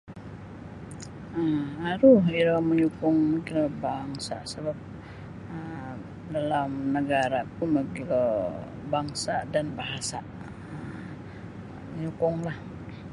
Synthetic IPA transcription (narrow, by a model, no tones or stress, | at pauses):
əaɾʊɦiɾɔməɲukʊŋməkilɔbaŋsa̰səbap̚ | ə | dalamnəɡaɾapʊməɡilɔ | baŋsadanbaɦasaʔ | ə | məɲukʊŋlah